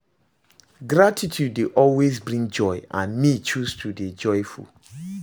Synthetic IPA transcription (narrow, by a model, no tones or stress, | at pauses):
ɡɹatʰitʰudeʔɔlwezbɹĩŋd͡ʒɔɪãnmit͡ʃustʰuded͡ʒɔɪfṵl